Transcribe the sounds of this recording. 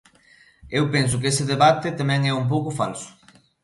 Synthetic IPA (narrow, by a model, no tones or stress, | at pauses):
ewpensʊkɪesɪðeβat̪ɪt̪amɛ̃ŋɛump̬owkʊfalsʊ̥